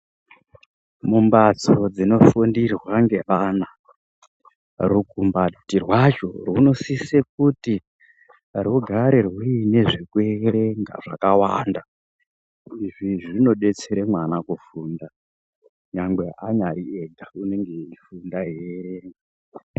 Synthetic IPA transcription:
mumbat͡sod͡zino̞fundirwaŋɡe̞ʋana | rukumbatirwat͡ʃo̰rwuno̞sisek̚uti | ruɡʱaɾerwuine̞ʐikueɾeŋɡa̰ʐ̥a̰kawa̰nda | iʐiʐino̞ɗe̞t͡se̞ɾemwanakufunda | ɲaŋɡwe̞aɲaɾieɡʱaune̞ŋɡe̞ifundaɦeɾeːŋɡa

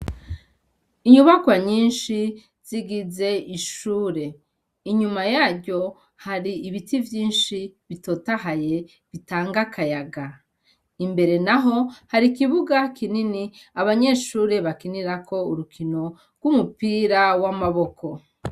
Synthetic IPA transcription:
iɲuβakwaɲiːnʃi | z̥iɡize̞iʃuːɾe̞ | iɲumajaːɾjo̞ | haɾiːβitivjiːnʃiβito̞tahaje̞ | βitaːŋɡakʰajaɡa | imbe̞ɾe̞naɦo̞haɾikiβuɡakininiaβaɲe̞ʃuːɾe̞βakiniɾakʰo̞uɾukʰino̞ | ɾɡwumupiːɾawamaβo̞kʰo̞

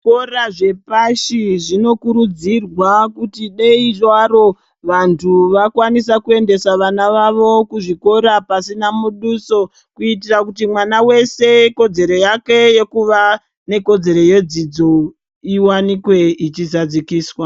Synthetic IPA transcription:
koraʐe̞paʃiʐino̞kuɾud͡zirwakutiɗeiʐwaɾo̞ | ʋantʰuʋakwanis̬akue̞nde̞saʋanaʋaʋo̞kuʐiko̞ɾapasinamuɗuso̞ | kuitirakut̬imwanawe̞se̞ko̞d͡ze̞ɾo̞jake̞je̞kuʋa | ne̞ko̞d͡ze̞ɾo̞je̞d͡zid͡zo̞ | iwanikwe̞it͡ʃizad͡zikiːswa

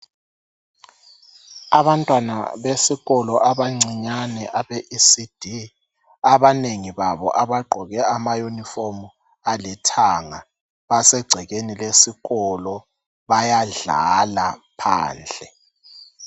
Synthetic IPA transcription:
aβantʼwana̰βesiɣɔlɔʔaβaŋ͡ǀʱiɲanɛʔaβeʔisid̥ʱi | aβaneŋiβaβɔ̰ʔaβaɡ͡ǃʱɔɣɛamajunifomu | alitʰaŋa | βasɛɡ͡ǀʱɛɣenilesiɣɔlɔ | βajaɮa̰lapʰa̰ːnd͡ɮʱɛ

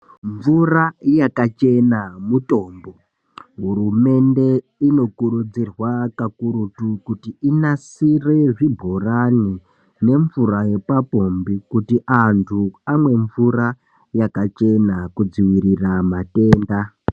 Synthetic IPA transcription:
ɱvurajakat͡ʃe̞namuto̞ːmbo̞ | ɦuɾume̞nde̞ | ino̞kuɾud͡zirwakakuɾutukutiinasireʐibʱorani | ne̞ɱvuraje̞papo̞mbikutiʔantʰuamwe̞ɱvura | jakat͡ʃe̞nakud͡ziwiɾiramate̞ːnda

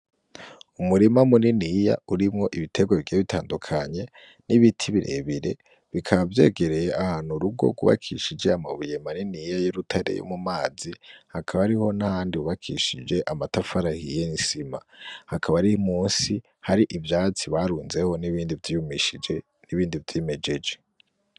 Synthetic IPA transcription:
umuɾimamuninija̰uɾimŋo̞ʔiβitʰe̞ɡwaβiɡiβitʰaːndukʰaɲe̞ | niβitʰiβiɾe̞̰βiɾe̞ | βikʰaβavje̞̰ːɡe̞ɾe̞jeʔahaːnhuɾuɡo̞̰ɡṵβa̰kʰiʃid͡ʒe̞amaβujemaninijajoɾutʰaɾḛjo̰mumaːzihakʰaβaaɾiho̞nahaːndiuβakʰiʃid͡ʒe̞ʔamatafaɾahijenisimahakʰaβaɾihmuːnsi | haɾiʔivjaːt͡siβaɾuːnze̞ho̞niβiːndivjijumiʃid͡ʒe | niβiːndivjiːmed͡ʒe̞d͡ʒe

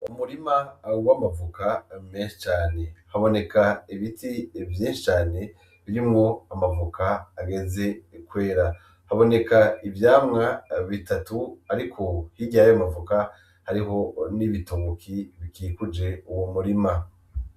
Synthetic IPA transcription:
umuɾimaːuβamavukameːnʃi̥t͡ʃaːne̞haβo̞ne̞kaiβitivjĩːnʃi̥t͡ʃaːne̞ | βiɾimɡo̞amavukaːɡe̞ze̞kwe̞ːɾa | haβo̞ne̞kaivjaːmŋaβitatuaɾikʰo̞hiɟajamavuka | haɾiɦo̞niβitoβokʰiβikikud͡ʒe̞uwomuɾima

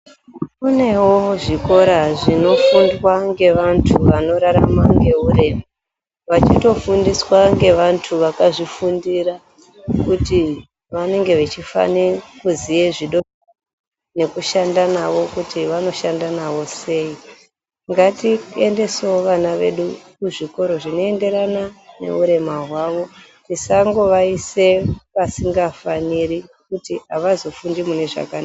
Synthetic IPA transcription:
une̞woʐiko̞ɾaʐino̞fundwaŋɡe̞ʋantʰuʋano̞ɾaɾa̰maŋɡe̞ɦuɾe̞ma | ʋat͡ʃito̞fundiswaŋɡe̞ʋantʰuʋakaʐifundiɾa | kuti | ʋane̞ŋɡe̞ʋet͡ʃifa̰nekuzijeʐiɗo̞ | ne̞kuʃandanaʋo̞kutiʋano̞ʃandanaʋo̞se̞i | ŋɡatie̞nde̞seoʋanaʋe̞̰ɗukuʐiko̞ɾo̞ʐino̞e̞nde̞ɾanane̞̰uɾe̞maɦwaʋo̞ | tisaŋɡo̞ʋaise̞ʋasiŋɡafaniɾikutiaʋazo̞fundimune̞ʐa̰kana

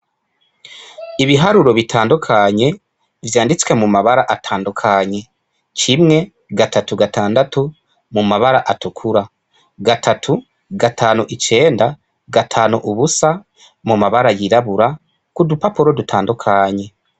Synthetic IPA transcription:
iβiɦaɾuɾo̞βitʰaːndukʰaɲe̞ | vjaːndit͡swe̞mumaβaɾaʔatʰaːndukʰaɲe̞ | cimŋe̞ | ɡatatuɡatʰaːndatu | mumaβaɾaʔatukʰuɾa | ɡatʰatʰu | ɡatʰaːnuʔit͡ʃe̞ːnda | ɡatʰaːnuʔuβusa | mumaβaɾajiɾaβuɾa | kudupapuɾo̞dutʰaːndukʰaɲe̞

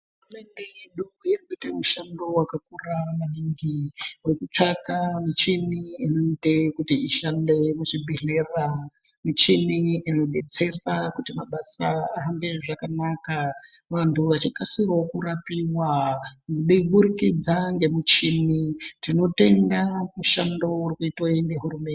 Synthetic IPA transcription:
ɦɦurume̞nde̞jeɗuujerkuitemuʃando̞wakakuramaniŋɡiwe̞kut͡ʂakamit͡ʃiniinoite̞kutiiʃande̞muʂibʱiɮera | mit͡ʃiniino̞ɓe̞t͡se̞rakutimaɓasaaɦambeʐakanakaʋantʰuʋat͡ʃikasirookurapiwaŋɡɗeɓuɾikid͡zaŋɡe̞mut͡ʃinitino̞te̞ndamuʃando̞urikuitwaiŋɡe̞ɦuɾume̞nd

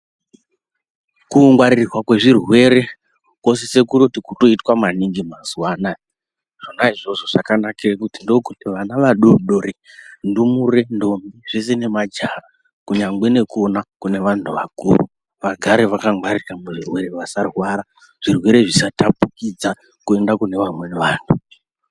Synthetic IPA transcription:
kuːŋɡwaɾirwakwe̞ʐirwe̞ɾe̞ | ko̞sese̞kuɾotikuto̞itwamaniŋɡimazwana | ʐ̥onaiʐo̞ʐo̞ʐ̥akanakirakutindo̞kutiʋanaʋaɗoɗoɾe | ndumuɾe̞ndo̞miʐes̬ene̞mad͡ʒara | kuɲaŋɡ͡bene̞ko̞nakune̞ʋantʰuʋa̰kṵrṵ | ʋaɡʱaɾeʋakaŋwariiramuʐirwe̞ɾeʋasarwaːɾa | ʐ̥irwe̞ɾe̞ʐisatapukid͡za | kue̞ndakune̞ʋamweneʋaːntʰu̥

